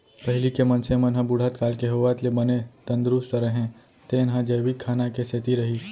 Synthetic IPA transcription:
pɐɦɪlikemɐnsemɐnɦə̃bʊɽ̤ʱat̪kaːlkeɦowat̪lebɐnet̪ɐ̃nd̪ɾust̪ɾəɦẽ | t̪eːnɦãd͡ʒɐːʋikkʰːaːnakeset̪iɾɐɦiː

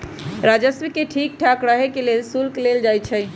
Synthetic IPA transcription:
ɾad͡ʒəsmikeʈʰik̚ʈʰakɾəɦekelelsulkleld͡ʒajt͡ʃʰɛ

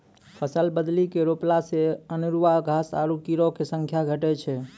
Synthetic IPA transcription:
pʰəsəlbəd̪likeɾoplaseənuɾʋaɡʱasa̰ɾukiɾokesə̃ŋkʰjaɡʱəʈɛt͡ʃʰɛ

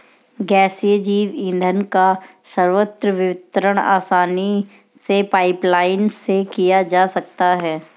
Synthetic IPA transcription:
ɡɛːsijəd͡ʒiːʋĩːnd̪ʱənka | səɾʋət̪ɾəʋɪʋɪt̪ɾəɽ̃a̰ːsaːni | sepaːɪplaːɪnsekijad͡ʒaːsɐk̚t̪aɦɛː

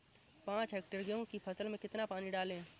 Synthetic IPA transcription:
pãːt͡ʃɦɛːk̚ʈəɾɡjõkipʰɐsəlmẽkɪt̪napaːniɖaːlẽː

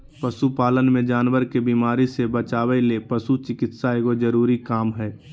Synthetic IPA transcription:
pəsupaːlənmẽd͡ʒaːnʋəɾkebiːmaːɾisebət͡ʃaːwelepəsut͡ʃɪkɪt̪saeːɡod͡ʒəɾuːɾikaːmɦɛː

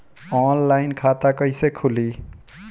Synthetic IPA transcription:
ɔnlajnkʰat̪akʌjsekʰuli

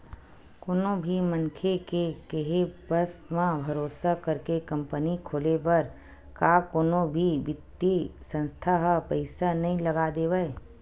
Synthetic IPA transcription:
koːnõbʱimə̃ŋkʰekekeɦebəsmãbʱɐɾoːsakəɾkekɐ̃mpənikʰoːlepɐɾ | kaːkoːnõbʱiʋɪt̪ːisə̃nst̪ʰaɦpəɪsanɐɦĩləɡad̪eːʋae

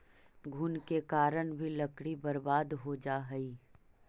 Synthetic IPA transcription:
ɡʱʊnkekaːɾəɳbʱilɐkɽibɐɾbaːd̪ɦod͡ʒaːɦɐiː

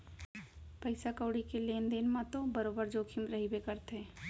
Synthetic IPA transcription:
pəɪsakəːɽikeleːnd̪eːnmãt̪obəɾoːbəɾd͡ʒoːkʰimɾɐɦibekəɾt̪ɦɛ̃ː

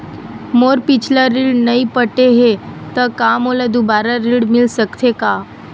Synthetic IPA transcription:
moɾpit͡ʃʰlaɾiɭɖnəipəʈeɦet̪əkamolad̪ubaɾaɾiɽmilsəkt̪ʰeka

